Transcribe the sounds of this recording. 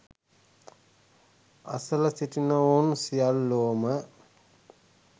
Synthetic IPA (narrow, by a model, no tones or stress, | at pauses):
ɐ̰sələsiʈinəonsijalːoːmə